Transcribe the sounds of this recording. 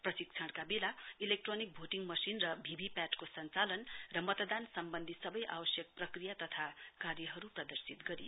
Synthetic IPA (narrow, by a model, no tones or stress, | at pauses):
prʌsik̚t͡sʰʌɽkabelailek̚ʈronik̚bʱoʈiŋmʌsinrʌbʱibʱipaʈkosʌnt͡salʌnrʌmʌt̪d̪ansʌmbʌnd̪ʱisʌbʌjʔa̰wʌsjʌk̚prʌkrijat̪ʌt̪ʰakarjʌɦʌɾuprʌd̪ʌrsit̪ɡʌɾi